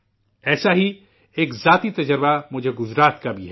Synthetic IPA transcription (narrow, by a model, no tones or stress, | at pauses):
ɛːsaɦi | eːkzaːt̪it̪ɐd͡ʒəɾbamʊd͡ʒʱeɡʊzɾaːt̪kabʱiɦɛ